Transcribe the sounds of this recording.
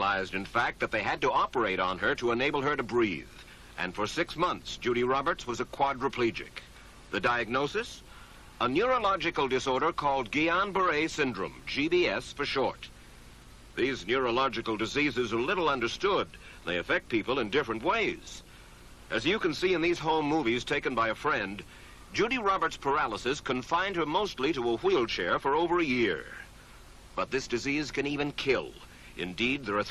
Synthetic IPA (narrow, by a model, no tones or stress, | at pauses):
laɪzdɨ̃nfæk̚t̪̚ðɨt̪̚ðeɪɨd̚təɑpə˞eɪɾn̩ə˞ɾəəneɪbl̩ˠə˞ɾɨbɹið | ʔɨ̰̃nfə˞sɪksmʌ̃nθsd̥ʒ̥ʉɾiɹɑbə˞tswʌzɨkʰw̥ɑdɹɨpʰl̥id͡ʒɪ̰k | ðɨdaɪɨɡ̚noʊsɨs | ənjʊɹəlɑd͡ʒɨkl̩ˠdɨsɔɹɾə˞kʰɔlˠd̚ɡiɑ̃nbə˞eɪsɪ̃ndɹɨ̰̃md͡ʒibiɛsfə˞ʃɔ̰ɹɾ | ðiznjʊɹəlɑd͡ʒɨkl̩ˠdɨzizɨzə˞lɪɾl̩ˠʌ̃ndə˞stʊd̪̚ | n̩ðeɪɨfɛk̚t̚pʰipəl̩ˠə̃ndɪfɹɨ̃nʔweɪz̥ | ʔɨzjɨkɨ̃nsiɨ̃nðiz̥ɦõʊ̃mːuviz̥tʰeɪkɨ̃nbaɪɨfɹɛ̃n | d͡ʒʉɾiɹɑbə˞tspʰə˞ælˠəsɨskʰɨ̃ɱfãɪ̃nd̚ə˞moʊstˡliɾəəwilˠt͡ʃʰɛɹfə˞oʊvə˞ɨjɪɹ | b̥ʌt̪̚ðɪsd̥ɨziz̥kɨ̃nivɨ̃nkʰɪlˠ | ʔɨ̰̃ndid̪̚ðə˞ə